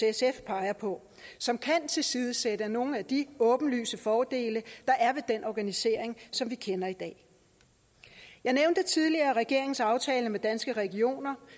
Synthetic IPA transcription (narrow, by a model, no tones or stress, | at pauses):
esefpʰɑ̈ɪɐpʰɒ̽ | sɒ̽mkʰænt͡sʰe̝lsiːð̞ˠəsed̥əæno̝ːn̩æd̥iɔ̽ːb̥n̩ly̰ːsəfɒːd̥e̝̰ːləd̥ɑ̈ʔæɐʋe̝d̥enʔɒɡ̥ænise̝ɐ̰e̝ŋsɒ̽mʋikʰenɐid̥ɛ̰ː | jɑ̈ɪneʊnd̥ət͡sʰið̞ˠliɐːʁɛɡ̥e̝ɐ̰eŋ̩sɑ̈ʊt͡sʰɛːləmed̥ænsɡ̥əʁɛɡ̥io̝̰ːnɐ